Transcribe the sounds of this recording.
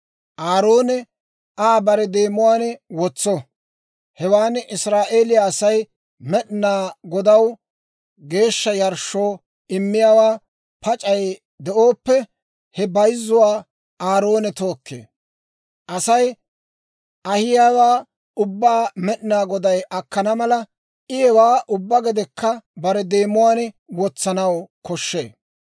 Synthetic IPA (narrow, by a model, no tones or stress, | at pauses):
ʔaːɾoːnɛ | aːbɐɾɛd̪eːmʊwaːnɛwɔt͡sːɔ | hɛwaːnʔɪsɾaːʔe̞ːlɪjaːsɐj | mɛɗnaːɡɔd̪ɐw | ɡe̞ːʃːɐjɐɾʃo̞ː | ɪmːɪjaːwaː | pɐt͡ʃʼɐj | d̪ɛʔo̞ːpːɛ | hɛbɐjzːʊwaː | aːɾo̞ːnɛt̪o̞ːkːḛː | ʔɐsɐj | ʔɐhɪjaːwaː | ʊbːaːmɛɗnaːɡɔd̪ɐjʔɐkːɐnɐmɐlɐ | ʔɪjɛwaːʔʊbːɐɡɛd̪ɛkːɐbɐɾɛd̪e̞ːmʊwaːn | wɔt͡sːɐnɐwkɔʃːeː